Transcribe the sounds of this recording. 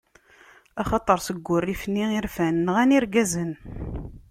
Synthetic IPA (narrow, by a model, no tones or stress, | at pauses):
ɑχɑt̪ˤəɾˤsəɡʷːʊrːifnːiiɾfænːʁæniɾɡæzən